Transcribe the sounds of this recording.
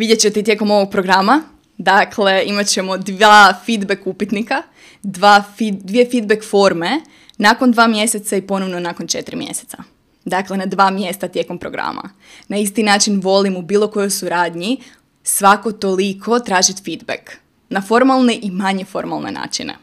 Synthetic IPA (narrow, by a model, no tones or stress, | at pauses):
ʋid̪jet͡ɕe̞t̪eit̪je̞ko̞mo̞ʋo̞ɡ̚pɾo̞ɡɾama | d̪akʰle̞imat͡ɕe̞mo̞d̪aːfid̪bekupit̪nika | d̪ʋaːfid̪ʋiefid̪̚bekfo̞ɾme̞ | nako̞nd̪ʋaːmje̞set̪saipo̞noʋno̞nakont͡ʃe̞t̪ɾimjḛset̪sa̰ | d̪akle̞nad̪ʋaːmje̞st̪at̪je̞kompɾoɡɾa̰ma̰ | naist̪inaːt͡ʃinʋo̞limubiːlˠo̞ko̞jojsuɾaːd̪ɲi | sʋako̞t̪o̞likʰo̞t̪ɾaːʒit̪fid̪bek | nafo̞ɾmalˠneʔimaɲe̞fo̞ɾmalˠnḛna̰ːt͡ʃḭnḛ